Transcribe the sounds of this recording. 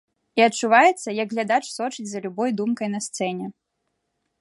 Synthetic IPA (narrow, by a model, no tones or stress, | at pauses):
iɐtt͡ʂuvajɛt̪sːɐjɐɡɣlʲad̪at͡ʂsɔt͡ʃɨd͡zʲzɐlʲubɔjd̪umkɐjnɐst̪sɛnʲɛ